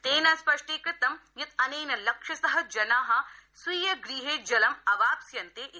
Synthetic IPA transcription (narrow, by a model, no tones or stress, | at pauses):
t̪eːnɐnspɐʂʈeːkɐt̪ɐmjɐt̪̚ɐneːnɐlɐkʂɐsɐɦɐd͡ʒɐnaːɦɐ̆swiːjɐɡɾiːɦeːd͡ʒɐlɐmɐʋaːpsjɐnt̪eːʔi